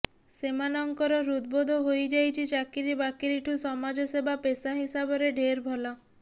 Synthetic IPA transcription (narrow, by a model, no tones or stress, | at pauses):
semanɔŋkɔɾɔɾud̪̚bod̪ʱoɦojd͡ʒajt͡ʃʰit͡ʃakiɾibakiɾiʈʰusɔmad͡ʒɔsebapesaɦisabɔɾeɖʱeɾbʱɔla